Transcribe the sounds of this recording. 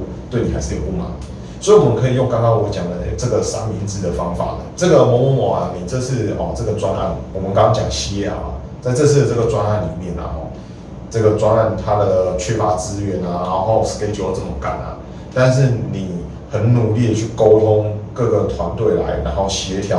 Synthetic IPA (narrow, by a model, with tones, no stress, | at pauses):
t̪we˥˩ɪni˨˩a˧˦ɪʂɻ̩˥˩jo˨˩pu˥˩ma̰˨˩˦n˨ | swɔ˧˥i˨wɔ˨˩mə˦nkʰɤ˧˥i˨jo˥˧ŋkɑ˥ŋkɑ˥ŋwɔ˧˦t͡ɕjɑ˨˩ŋd̪ə˦t͡sə˥˩ɡə˩sa˥nmi˧˦nt͡sɹ̩˨˩d̪ə˩fɑ˦˥ŋfa̰˨˩lə̰˦t͡sɤ˥˩ɡə˩mɔ˧˥mɔ˧˦mɔ̰˨˩a̰˨ni˨˩t͡sə˥˧ʂɻ̩˥˩ɔ˨˩ə˥˩ɡə˨t͡swa˦nʔa̰˥˩nwɔ˨mə˦kɑ˥ŋkɑ˥ŋt͡ɕjɑ̰˨˩ŋɕɛ˦a̰˨˩˨ | t͡sa˥˧ɪt͡sɤ˥˧s̩ʰ˥d̪ə˩t͡sə˥˩ɡə˩t͡swa˦na˥˩nli˨˩mjɛ˥˩nə̰˩ɔ̰˨˩ | t͡sə˥˩ɡə˩t͡swa˦na˥˧nt̪ʰa˦d̪ə˨ə˨t͡ɕʰɥɛ˥˩fa˨˥t͡sɹ̩˦ɥɛ˨˧˦na˨na˧˥ʊxo˥˩ʊske˥ɪt͡ɕo˨˧˦ə˧˩t͡sə˥˩mɔ˧˨˩ŋka̰˨˩nə̰˨˩ | t̪a˥˧nʂ̬ɻ̩˥˩ni˨˩ | hə˧˦nnu˨˩li˥˩ə˨t͡ɕʰy˥˩ko˦ʊt̪ʰo˦ŋkɤ˥˩ɡə˩t̪ʰwa˧˦nt̪we˥˩ɪla̰˧˦ɪna˧˦ŋxo˥˩ʊɕjɛ˧˦t̪ʰjɑ˧˦